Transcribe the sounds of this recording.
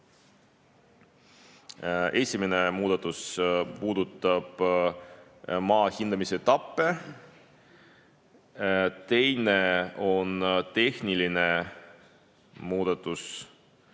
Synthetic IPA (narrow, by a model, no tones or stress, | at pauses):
e̞sʲimene̞muːd̪̥ɑt̪ːˑuspuːd̪̥ut̪ːˑɑb̥ | mɑːhind̪̥ɑmiset̪ɑpːe̞ | t̪e̞jne̞o̞nt̪e̞hniline̞ | muːd̪̥ɑt̪ːˑus